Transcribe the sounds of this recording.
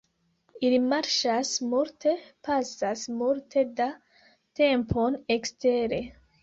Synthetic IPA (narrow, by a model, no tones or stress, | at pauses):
ilimaɾʃasmultʰe̞pasasmultʰe̞da | te̞mpʰo̞nekste̞ɾe̞